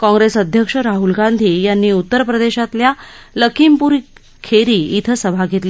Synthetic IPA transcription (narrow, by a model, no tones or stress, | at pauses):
kɔ̃ŋɡɾesəd̪ʱjəkʂəɾaɦulɡand̪ʱiːjanːiːut̪ːəɾpɾəd̪eɕat̪ljaləkʰimpuɾi | kʰeɾiːit̪ʰəsəbʱaɡʱet̪li